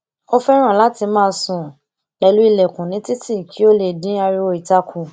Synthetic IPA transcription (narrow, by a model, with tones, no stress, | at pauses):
o˦fɛ˦ɾ̃ã˦˨la˨˦ti˧mãː˦˧sũ˨ | lɛ˧lu˦i˧lɛ˨kũ˨nĩ˨˦ti˦ti˦˨kʰi˨˦o˦le˧˨dĩ˨˦a˧ɾi˧o˧i˨ta˧kʰũ˨